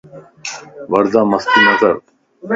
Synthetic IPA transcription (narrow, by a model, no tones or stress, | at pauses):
ʋɐɾd̪aːmɐst̪iːnɐzəɾ